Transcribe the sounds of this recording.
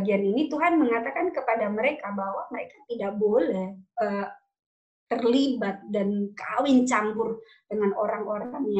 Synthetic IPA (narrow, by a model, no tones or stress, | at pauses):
ɡianinit̪uɦanməŋat̪akankəpadaməɾekabawaməɾekḁt̪idaʔ̚bolɛhʔəː | t̪ərlibat̪̚dankawɪnt͡ʃambʊr | dəŋanoɾaŋoɾaŋja